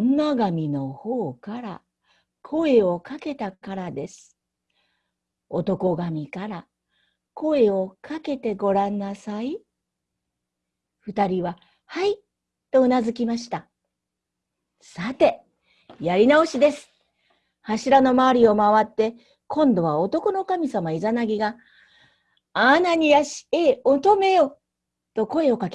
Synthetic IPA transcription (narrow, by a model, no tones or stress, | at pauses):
nːaɡamʲino̞ho̞ːkaɾa | kʰo̞e̞o̞kake̞t̪akaɾad̪e̞sɨ̥ | o̞t̪o̞ko̞ɡamʲikaɾa | ko̞e̞o̞kake̞t̪e̞ɡo̞ɾãnːasai | ɸɯ̟t̪aɾʲiβa | hai | t̪o̞ɯ̟nazɨkʲimaɕi̥t̪a | sat̪e̞ | jaɾʲinao̞ɕid̪e̞sɨ̥ | haɕiɾano̞maːɾʲio̞maβat̪ːe̞ | kʰõ̞nd̪o̞β̞aot̪o̞ko̞no̞kamʲisamaizanaɡʲiɡa | anaɲ̟ijaɕi̥eot̪ome̞jo̞ | t̪o̞ko̞e̞o̞kake